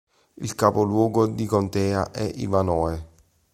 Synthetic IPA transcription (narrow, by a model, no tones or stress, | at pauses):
ḭlkaːpolwɔːɡod̪ikont̪ɛːaʔɛʔḭvanɔːe